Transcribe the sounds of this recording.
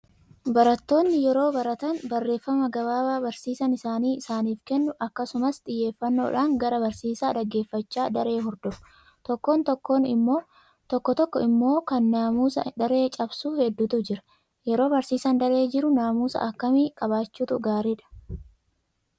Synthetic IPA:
bɐɾɐt̪ːo̞ːnːɪjɛɾo̞ːbɐɾɐt̪ɐnbɐrːe̞ːfːɐmɐɡɐbaːbaːbɐɾsiːsɐnɪsaːniːɪsaːniːfkɛnːʊʔɐkːɐsʊmɐst̪ʼɪjːe̞ːfːɐnːoːᶑaːŋɡɐɾɐbɐɾsiːsaːdɐɡːe̞ːfːɐt͡ʃːaːd̪ɐɾe̞ːɦɔɾd̪ɔfʊ̥ | t̪ɔkːo̞ːnt̪ɔkːo̞ːnɪ̰mːoː | t̪ɔkːɔt̪ɔkːɔɪmːo̞ːkɐnːaːmuːsɐ̰d̪ɐɾe̞ːt͡ʃʼɐbsuːhɛd̪ːuːt̪ʊd͡ʒɪɾɐ̥ | jɛɾo̞ːbɐɾsiːsɐnd̪ɐɾe̞ːd͡ʒɪɾʊnaːmuːsɐ̰ʔɐkːɐmiːkʼɐβaːt͡ʃːuːt̪ʊɡaːɾiːᶑɐ̥

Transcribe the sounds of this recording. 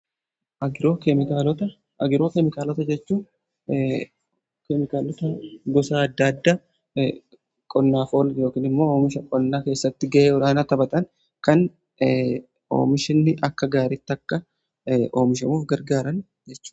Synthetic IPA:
ʔɐɡɪɾo̞ːkɛmɪkaːlɔt̪ɐ | ʔɐɡɪɾo̞ːkɛmɪkaːlɔt̪ɐd͡ʒɛt͡ʃːuː | kɛmɪkaːlɔt̪ɐɡɔsaːɐd̪ːad̪ːaː | kʼɔnːaːfoːljo̞ːkiːnɪmːo̞ːoːmɪʃɐkʼɔnːaːke̞ːsːɐt̪ːɪɡɐʔeːwɔɾaːnat̪ɐbɐt̪ʼɐŋ | kɐn | o̰ːmɪʃɪnːɪʔɐkːɐɡaːɾɪt̪ːɐkːɐ | o̞ːmɪʃɐmuːfɡɐɾɡaːɾɐn | d͡ʒɛt͡ʃːu̥ːm

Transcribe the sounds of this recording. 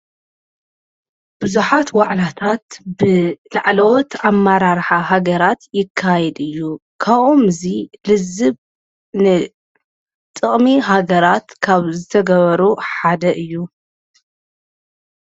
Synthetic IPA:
b̥ɨzuħat̪waʕlat̪ʰat̪bɨlaʕlɐwɔt̪amːaɾaɾħaɦaɡɐɾat̪jɪkʰːajɛd̪ɨjːukʰaβomɨzilɨzːɨβ | nɨ | t̪ʼɨχʼmiɦaɡɐɾat̪kʰaβzɨt̪ʰɐɡɐβɐɾuħad̪ɐʔɨjːu

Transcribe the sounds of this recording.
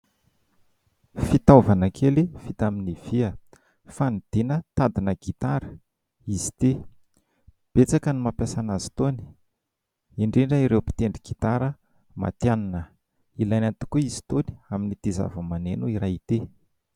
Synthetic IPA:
fit̪avanakʰelifit̪aminiv̥iə | fanid̪̥enət̪ad̪inəɡit̪aɾə | izi̥t̪e | b̥et͡sakənimapjasanazi̥t̪oni̥ | iɳɖ͡ʐeɳɖ͡ʐaiɾewpi̥t̪eɳɖ͡ʐiɡ̥it̪aɾə | ma̰t̪janinə | ilajnant̪u̥kuizi̥t̪oni̥aminit̪iza̰vəmanenuiɾajit̪e

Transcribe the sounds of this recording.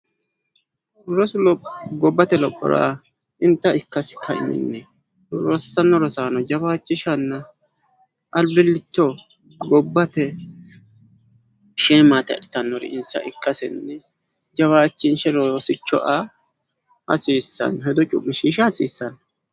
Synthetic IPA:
ɾɔslɔɡɔbːɐt̪ɛlɔpʼːɔ̰ɾa̰ː | ɪnt̪ːɐɪkːɐsɪ̥kʰːɐɪ̰mɪ̰nːɛ | ɾɔsɐnːɔɾɔsaːnɔd͡ʒɐβaːt͡ʃːɪʃɐnːɐ | ʔɐlbɪlːɪt̪ːɔ | ɡɔbːɐt̪ɛ | ʃɛːmaːt̪ɛɐ̰ᶑɪt̪ɐnːɔɾɪ̰ɪnsɐ̰ʔɪkːɐsɪnːɛ | d͡ʒɐβaːt͡ʃːɪnʃɛɾoːsɪt͡ʃːɔ̰ʔa | hɐ̰siːsːɐ̰nːɔɦɛd̪ɔt͡ʃʼʊkʼːɪʃiːʃɐhɐsiːsːɐnːɔ

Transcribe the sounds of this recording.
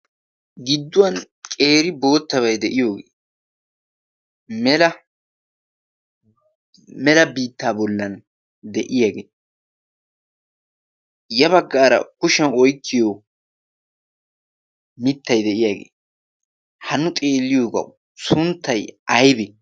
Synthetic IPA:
ɡɪd̪ːʊwɐn | kʼe̞ːɾɪboːt̪ːɐβɐjd̪ɛʔɪjo̞ːɡeː | mɛlɐ | mɛlɐbiːt̪ːaːbɔlːɐn | d̪ɛʔɪjaːɡeː | jɐβɐɡːaːɾɐ̰kʊʃɐnɔjkːɪjo | mɪt̪ːɐjd̪ɛʔɪjaːɡḛː | hɐnːʊt̪ʼeːlːɪjo̞ːɡɐ̰w | sʊnt̪ʰːɐjɐjbɛ

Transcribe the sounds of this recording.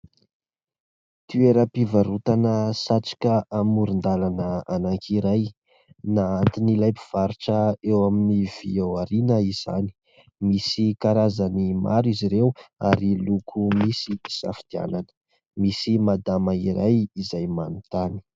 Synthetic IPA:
t̪yeɾəpivaɾut̪anəsat͡sḁkəamuɾind̪alanəanaŋkʰiɾaj | naant̪inilajpi̥v̥aɾiʈ͡ʂəewaminiv̥ḭewaɾinəiz̥a̰ni̥ | misikaɾazanima̰ɾiziɾewaɾilukʰumisisa̰fi̥d̪̥ia̰nanə̥ | misimad̪amaiɾajizajmanut̪ani̥

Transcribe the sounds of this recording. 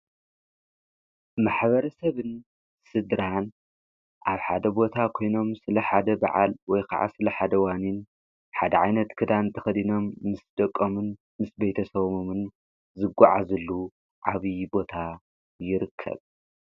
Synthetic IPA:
maħβɐɾɐsɐβɨn | sɨd̪ɾan | ʔaβħa̰d̪ɐbo̞t̪ʰakʰo̞jno̞msɨlɐħad̪ɐba̰ʕa̰lwɔjkʰa̰ʕa̰sɨlɐħad̪ɐwanin | ħad̪ɐʕajnɐt̪kʰɨd̪ant̪ʰɐxɐd̪ino̞mːɨsd̪ɐkʼːomɨn | mɨsbejt̪ʰɐsɐβmomɨn | zɨɡʷːa̰ʕa̰zɨlːu | ʕaβibo̞t̪ʰa | jɪɾɨkʰːɐ̰β

